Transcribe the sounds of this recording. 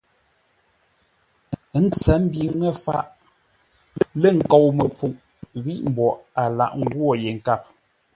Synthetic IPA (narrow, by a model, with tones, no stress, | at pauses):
n̩˦t͡sɛ˨˦m̩˦bi˨ŋɛ˦fa̰˦˨ʔ | le˦˨ŋ̩˨ko˨wmə˨p͡fu˨ʔ | ɣi˦ʔm̩˦bɔ˨ʔa˨la̰˨ʔŋ̩˦ɡwɔ˦˨je˨ŋ̩˨ka˦˨p̚